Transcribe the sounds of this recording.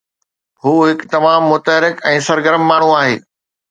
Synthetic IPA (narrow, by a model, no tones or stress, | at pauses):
ɦuːɦɪkt̪ɐmaːmːʊt̪əɦɾɪkɛ̃ːsɐɾɡəɾəmːaːɳ̤uaːɦḛː